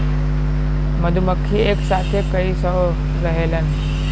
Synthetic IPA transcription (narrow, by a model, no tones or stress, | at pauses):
məd̪ʱuməkʰːieːksaːt̪ʰekəisə | ɾəɦelən